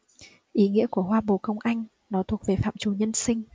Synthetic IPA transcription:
ʔi˨˦ŋḭ˧˥əku˧˩əɦwaː˧ɓo̰˧˨kə˧wŋ͡mʔa˧jŋ̟ | nɔ˨˦t̪ʰu˨˩ək̚ve˨˩fa̰ː˧˨mt͡ɕu˨˩ɲə˧nsï˧ŋ̟

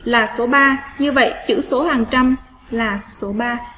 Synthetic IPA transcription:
laː˨˩so˨˦ɓaː˧ɲɨ˧və̰˧˨jt͡ɕɨ̰˧˥so˨˦haː˨˩ŋt͡ɕa˧m | laː˨˩so˨˦ɓaː˧

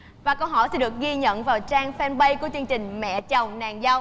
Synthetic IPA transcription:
vaː˨˩kə˧wɦɔ̰˧˩jsɛ˧˥nɗɨ˨˩ək̚ɣi˧ɲə̰˧˨nvaː˨˩wt͡ɕaː˧ŋfɛ˧nɓə˧jku˨˩ət͡ɕɨ˧əŋt͡ɕï˨˩ŋ̟mɛ̰˧˨t͡ɕə˨˩wŋ͡mnaː˨˩ŋza˧w

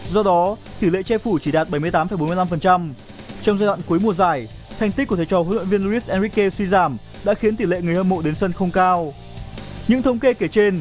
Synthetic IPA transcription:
zɔ˧ɗɔ˨˦t̪i˧˩lḛ˧˨t͡ɕɛ˧fu˧˩t͡ɕi˧˩ɗaː˨˩t̚ɓə˧˩jm˧əjt̪aː˨˦mfə˧˩jɓo˨˦mɨ˧la˧mfə˨˩nt͡ɕa˧m | t͡ɕɔ˧wŋ͡mzaː˧jɗwa̰˧˨nku˨˦jmu˨˩əzaː˧˩j | t̪ʰɛ˧jŋ̟t̪i˦˥k̚u˧˩t̪ʰe˨˩t͡ɕɔ˨˧˩hw̰lwə̰˧˨vi˧ənlu˧i˦˥s̚ʔɛ˧nɹi˦˥kːe˧swi˧zaː˧˩m | ɗa̰ː˧˥xi˨˦ənt̪i˧˩lḛ˧˨ŋɨ˨˩əhə˧mo̰˧˨ɗe˨˦nsə˧nxə˧wŋ͡mkaː˧w | ɲɨ̰˧˥ŋt̪ʰə˧wŋ͡mke˧ke˧˩t͡ɕe˧n

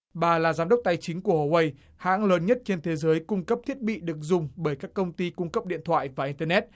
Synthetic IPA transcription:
ɓaː˨˩laː˨˩zaː˨˦mɗwk͡p̚t̪a˧jt͡ɕï˨˦ŋ̟ku˧˩əho˧˩wə˧j | ha̰ː˧˥ŋləː˨˦nɲə˦˥t̚t͡ɕe˧nt̪ʰe˨˦zəː˨˦jkʊ˧ŋ͡mkə˦˥p̚t̪ʰi˦˥ət̚ɓḭ˧˨ɗɨ˨˩ək̚zʊ˨˩ŋ͡mɓəː˧˩jkaː˦˥kːə˧wŋ͡mt̪i˧kʊ˧ŋ͡mkə˦˥p̚ɗḭ˧˨ənt̪ʰwa̰ː˧˨jvaː˨˩ʔi˧nt̪əː˧nɛ˦˥t̚

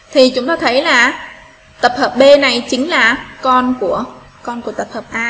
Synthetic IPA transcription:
t̪ʰi˨˩t͡ɕʊ˨˦ŋ͡mt̪oː˧˩t̪ʰə˨˦jlaː˨˩ | t̪ə˨˩p̚həː˨˩p̚ɓe˧na˨˩jt͡ɕï˨˦ŋ̟laː˨˩kɔ˧nku˧˩ə | kɔ˧nku˧˩ət̪ə˨˩p̚həː˨˩p̚ʔaː˧

